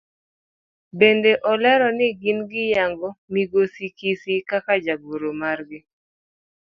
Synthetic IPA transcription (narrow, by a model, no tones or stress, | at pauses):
bendeʔɔlɛɾɔnɪɡinɡɪjaŋɡɔmiɡosikisikakad͡ʒaboɾomarɡɪ